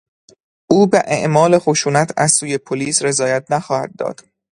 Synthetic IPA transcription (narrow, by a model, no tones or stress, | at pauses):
ʔuːbeʔeʔmɒːle̞xoʃuːnæt̪ʰæzsuːje̞pʰoliːsɾe̞zɒːjæt̪̚ʰnæxɒːhæ̰d̪̚ːɒ̰ːd̪̥